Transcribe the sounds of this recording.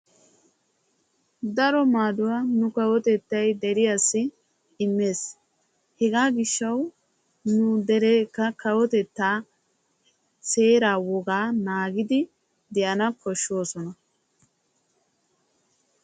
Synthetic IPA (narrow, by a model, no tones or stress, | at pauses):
d̪ɐɾɔmaːd̪ʊwaːnʊkɐwɔt̪ɛt̪ːɐjd̪ɛɾɪjasːɪ | ɪmːe̞ːs | hɛɡaːɡɪʃːɐw | nʊd̪ɛɾeːkːɐkɐwɔt̪ɛt̪ːaː | se̞ːɾaːwɔɡaːnaːɡɪd̪ɪ | d̪ɛʔɐnɐkɔʃːo̞ːsɔnɐ